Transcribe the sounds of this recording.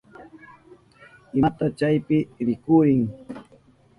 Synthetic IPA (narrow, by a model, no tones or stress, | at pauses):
ɪat̪at͡ʃajpɪɾɪkʊɾɪŋ